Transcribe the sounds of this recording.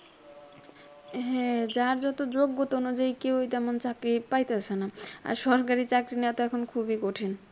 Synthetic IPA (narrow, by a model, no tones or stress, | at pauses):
ɦɛ̃d͡ʑaɾd͡ʑɔt̪od͡ʑoɡːot̪oonud͡ʑaikewjt̪ɛmont͡ɕakɾipajt̪easʰenaa̰ɾʃɔɾkaɾit͡ɕakɾineat̪oɛkʰonkʰubikoʈʰin